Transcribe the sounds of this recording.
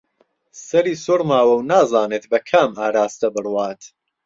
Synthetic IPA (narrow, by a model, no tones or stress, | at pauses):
sɐɾiːsoɾmaːwɐwnaːzaːneːt̪bɐkʰaːmaːɾaːst̪ɐbɨrwaːt̪